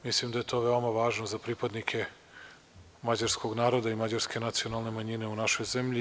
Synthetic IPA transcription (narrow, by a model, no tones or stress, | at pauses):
mislimd̪aje̞t̪o̞ːʋeo̞maʋaːʒnozapɾipad̪nikʰe̞ | mad͡ʑaɾsko̞ɡnaːɾo̞d̪aimad͡ʑaɾske̞nat̪sijo̞nalˠne̞maɲine̞unaʃo̞jze̞mʎi